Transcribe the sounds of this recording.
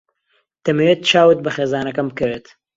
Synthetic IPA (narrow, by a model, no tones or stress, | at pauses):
t̪ɐmewet̪̚t͡ʃaːwɨt̪̚bɐχeːzaːnɐkɐmbkɨɾeːt̪